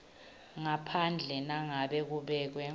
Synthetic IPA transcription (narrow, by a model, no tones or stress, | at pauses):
ŋapʰand͡ɮʱɛnaŋaɓɛk̬uɓɛːk̬wɛ